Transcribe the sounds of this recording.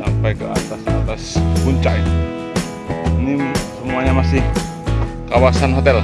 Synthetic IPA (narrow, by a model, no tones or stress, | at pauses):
sampajkəa̰t̪asat̪aspəkuɲt͡ʃaʔit̪u | nisəmuaɲamasɪh | kawasanɦot̪ɛl